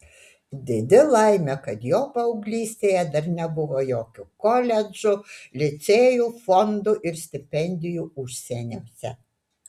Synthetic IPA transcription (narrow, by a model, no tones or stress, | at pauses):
d̪ʲɪd̪ʲɪlˠɐˑɪmʲɛkɐt̪joːpɐʊɡlʲiːsʲt̪ʲeːjɛd̪ɐɾnʲɛbʊʋoːjoːkʲʊkɔlʲɛd͡ʒʊlʲɪt̪sʲeːjuːfɔnd̪ʊʔɪɾsʲt̪ʲɪpʲɛnʲd̪ʲɪjuːʊʃʲsʲɛnʲoːsʲɛ̰